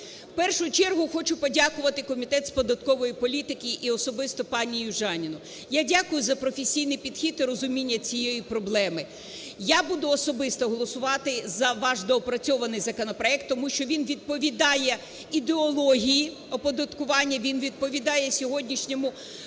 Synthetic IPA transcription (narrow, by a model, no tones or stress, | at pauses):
pɛrʃʊjʊt͡ʃɛrɦʊxɔt͡ʃʊpɔdʲakʊʋɐt̪ɪkɔmʲit̪ɛt̪spɔd̪ɐt̪kɔʋɔjipɔlʲit̪ɪkʲɪʔiɔsɔbɪst̪ɔpɑnʲijʊʒɑnʲinʊ | jadʲakʊjʊzɐpɾɔfʲesʲijnɪjpʲid̪xʲit̪iɾɔzʊmʲinʲːɐt͡sʲijejipɾɔblˠɛmɪ | jabud̪ʊɔsɔbɪst̪ɔɦɔlˠɔsʊʋɑt̪ɪzɐʋɑʃd̪ɔɔpɾɐt͡sʲɔʋɐnɪjzɐkɔnɔpɾɔɛk̚t̪ːɔmuʃt͡ʃɔʋʲinʋʲid̪̚pɔʋʲid̪ɑjɛ | id̪eɔlˠɔɦʲiji | ɔpɔd̪ɐt̪kʊʋɑnʲːɐʋʲinʋʲid̪̚pɔʋʲid̪ɑjɛsʲɔɦɔdʲnʲiʃnʲɔmʊ